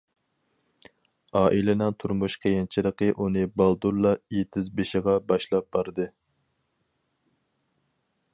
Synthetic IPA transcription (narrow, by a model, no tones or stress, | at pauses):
ɑːʔilɪnɪŋt̪ʰuɾmuʃqʲʰejɪnt͡ʃʰiɾəqəʔunɨbɑlˠd̪uɾlˠːɑjet̪ʰɪzbeʃɪʁɑbɑʃlˠɑp̚bɑɾd̪ɨ